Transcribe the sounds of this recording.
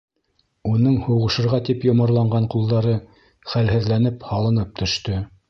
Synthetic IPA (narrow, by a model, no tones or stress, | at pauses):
unɤɴhuwʁɤ̆ʃɤ̆ɾʁɑt̪ipjŏmɤ̆ɾlˠɑɴɢɑɴqulˠd̪ɑɾɤ | χælɦɘ̆ðlænɘphɑlˠɤ̆nɤp̚t̪ʰɵ̆ʃt̪ɵ